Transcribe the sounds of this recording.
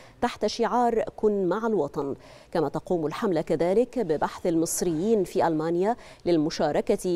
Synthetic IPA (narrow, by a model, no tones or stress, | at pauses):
t̪aħt̪ʃɪʕɑːɾˤkʊnːmaʕalwɑt̪ˤɑn | kamaːt̪ɑquːmalħamlakaðaːlɪkbɪbaħθalmɨsˤɾɪjːiːnfiːʔalmaːnja | lɪlmʊʃɑːɾˤɑka